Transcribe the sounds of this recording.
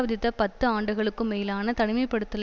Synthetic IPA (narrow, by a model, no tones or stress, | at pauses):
ʋɐðɪt̪ːɐpɐt̪ːɯaːɳɖɯɣɐɭɯkːɯmːeːɪlaːnɐt̪ɐɳɪmɐɪpːɐɽɯt̪ːɯl